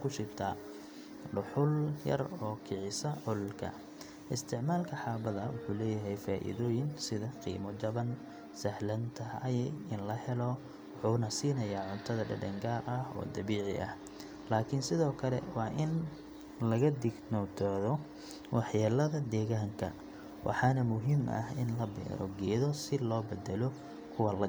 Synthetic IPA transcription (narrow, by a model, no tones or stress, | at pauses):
kʰʊʃɪbt̪ʰa | ɖʊħʊljɐ̰rɔːkʰɪʕɪsɐʕʊllkʰɐ̰ | ʔɪst̪ʰɪʕmaːlkʰɐħɑːbɐðɐwʊħuːlɛːjɐɦɛjfaːʔḭðɔːjɪnsɪðɐqḭːmɔd͡ʒɐβɐn | sɐhlɐnt̪ʰɐɐjɛɪnlɐhɛlɔ | wʊħuːnɐsiːnɐjaːʕʊnt̪ʰɐðɐɖɐ̰ɖɛŋɡaːɾɐhɔ̰ːd̪ɐβiːʕɪ̰ʔɐ̰h | laːkʰɪnsɪðɔːkʰɐlɛ̰wɑːʔɪn | lɐɣɐd̪ɪɡnɔt̪ʰɔðɔ | wɑħjaːlɐðɐd̪ɛːɣaːŋkʰɐ̰ | wʔɑ̰ħɑːnɐmʊɦiːmʔɐ̰hɪnlɐbɛ̰ːɾɔ̰ɡɛːðɔsɪlɔːbɛd̪ɛlɔ | kʰʊwɐlɐ